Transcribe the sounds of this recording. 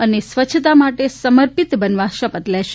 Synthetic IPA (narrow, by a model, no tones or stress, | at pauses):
ənesʋət͡ʃʰt̪amaʈesəməɾpit̪bənʋaʃəpət̪lɛʃ